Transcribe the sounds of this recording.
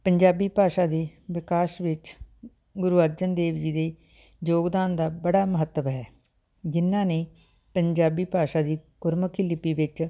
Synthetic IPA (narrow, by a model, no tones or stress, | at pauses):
pəɲd͡ʒaːbiːpaːʃaːd̪iːʋɪkaːʃʋɪt͡ʃ | ɡʊɾuːəɾd͡ʒənd̪eːʋd͡ʒiːd̪eː | joːɡd̪aːnd̪aːbəɽaːməɦət̪ːəʋɦɛː | d͡ʒɪnːãːneː | pəɲd͡ʒaːbiːpaːʃaːd̪iːkʊɾməkʰɪlɪpiːʋɪt͡ʃ